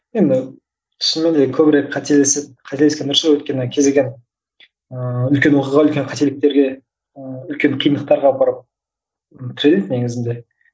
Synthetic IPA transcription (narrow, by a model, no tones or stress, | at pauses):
je̞nd̪ɪ | t̪ʰʏ̥sɪnmend̪ekʲʰɵbɪɾe̞kqʰɑt̪eleseqʰɑt̪e̞leskʲenəɾsewɵt̪̚kʲe̞nɪkʲʰe̞zd̪eɡʲen | əʏlkʲe̞nwo̞qiʁɑʏlkʲe̞nqʰɑt̪e̞lɪk̚t̪e̞ɾɡʲe̞ | ʏlkʲe̞ɴqʰijənd̪əqt̪ɑɾʁɑbɑɾəp̚ | t̪ʰɪɾe̞led̪ne̞ɡɪzɪnd̪e̞